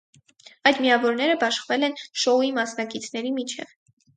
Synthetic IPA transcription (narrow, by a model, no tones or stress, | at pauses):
ɑjd̪miɑvɔɾnɛɾəbɑʃχvɛlɛnʃɔuimɑsnɑkit͡sʰn̪ɛɾimit͡ʃʰɛ̰v